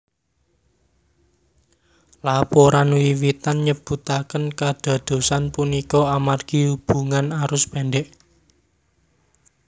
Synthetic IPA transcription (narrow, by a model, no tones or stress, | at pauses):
lapɔɾanuwiwit̪anɲəb̥ṳt̪akənkad̪̥a̤d̪̥o̤sanpunikɔamarɡ̥iub̥ṳŋanaɾʊspɛnɖɛʔ